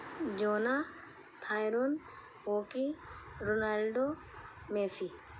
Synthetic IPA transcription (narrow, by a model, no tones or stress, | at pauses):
d͡ʒoːna | t̪ʰaːjɾon | ɦoːkiɾonalɖo | meːsi